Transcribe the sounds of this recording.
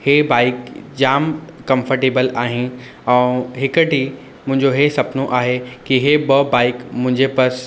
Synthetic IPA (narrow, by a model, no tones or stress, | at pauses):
heːbaːɪkd͡ʑaːmkɐ̃mfəɾʈeːbəlaːɦɪ̃n | ɛ̃ɦɪkəʈi | mʊ̃ɦɪ̃ɲd͡ʑoɦesɐpnõʔaːɦekiɦebɐbaːɪkmʊ̃ɦɪ̃ɲd͡ʑepɐs